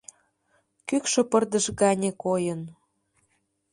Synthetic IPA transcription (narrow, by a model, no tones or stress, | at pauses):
kykʃɤ̆pərd̪əʃɣɑnʲekojən